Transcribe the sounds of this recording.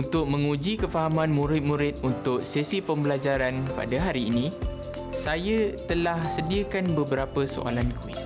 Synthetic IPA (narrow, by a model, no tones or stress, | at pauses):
unt̪ʊk̚mə̃ŋũd͡ʒikəfaɦamãnmũɾɪt̪̚mũɾɪt̪̚unt̪ʊk̚sesipəmbəlad͡ʒaɾanpa̰daɦaɾiːnĩ | sajat̪əlahsədiəkanbəbəɾapəso̰ʔa̰lankwḭs